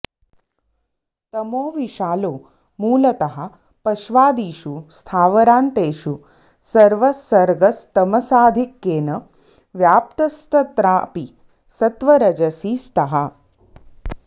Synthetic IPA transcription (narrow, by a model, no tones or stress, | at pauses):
t̪ɐmoːʋiʃaːloː | muːlɐt̪ɐɦɐ̆ | pɐʃʋaːd̪iːʃust̪ʰaːʋɐɾaːnt̪eːʃu | sɐɾʋɐsɐɾɡɐst̪ɐmɐsaːd̪ʱikːeːnɐ | ʋjaːp̚t̪ɐst̪ʰɐt̪ɾaːpi | sɐt̪ʋɐɾɐd͡ʒɐsiːst̪ɐɦɐ